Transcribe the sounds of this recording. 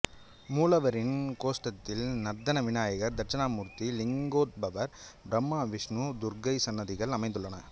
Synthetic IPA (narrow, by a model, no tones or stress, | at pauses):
muːlɐʋɐɾɪnkoːsʈɐt̪ːɪlnɐɾd̪ɐnɐʋɪnaːjɐɣɐɾd̪ɐʈt͡ʃɐnaːmuːɾt̪ilɪŋɡoːt̪̚bɐʋɐɾbɾɐmːaːʋɪʂnud̪ʊɾɡɐɪsɐnːɐðɪɣɐɭɐmɐɪnd̪ɯɭːɐnɐ